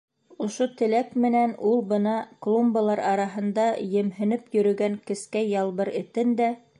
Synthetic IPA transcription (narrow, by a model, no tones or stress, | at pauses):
ŏʃot̪ɘ̆lækmɘ̆nænulˠbɤ̆nɑklˠumbalˠɑɾɑɾɑɦɤ̆nd̪ɑjɘ̆mɦɘ̆nɘpjɵ̆ɾɵ̆ɡæŋkɘ̆skæjɑlˠβɤɾɘ̆t̪ɘnd̪æ